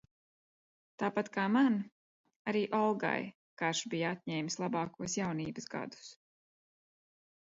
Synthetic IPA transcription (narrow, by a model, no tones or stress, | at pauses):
t̪aːpat̪kaːman | aɾiːʔɔlˠɡa̰j | kaɾʃbijat̪̚ʲɲɛːjmslˠabɑːkuɔsjawniːbəsɡa̰d̪u̥s